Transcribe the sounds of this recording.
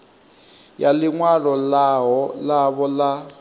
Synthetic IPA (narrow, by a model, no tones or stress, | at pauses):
jaliŋwaɺɔlaɦɔlaβɔla